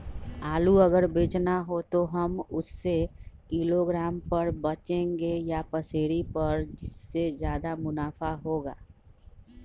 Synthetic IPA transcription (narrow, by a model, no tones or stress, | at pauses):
aːluɐɡəɾbeːt͡ʃnaɦot̪oɦɐmʊsːekiːloɡɾaːmpɐɾbɐt͡ʃẽːŋɡejapɐseːɾipɐɾd͡ʒɪsːezjaːd̪amʊnaːfaɦoːɡa̰ː